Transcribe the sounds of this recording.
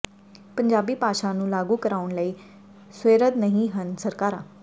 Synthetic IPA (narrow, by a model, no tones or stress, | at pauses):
pəɲd͡ʒaːbiːpaːʃaːnũːlaːɡuːkəɾaːʊɳləiː | sweːɾəd̪nəɦĩɦənsəɾkaːɾãː